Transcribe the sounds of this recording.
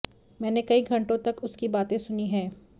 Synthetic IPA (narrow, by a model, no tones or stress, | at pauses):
mɛːnekɐiɡʱɐ̃ɳʈõt̪ɐkʊskibaːt̪ẽsʊniɦɛː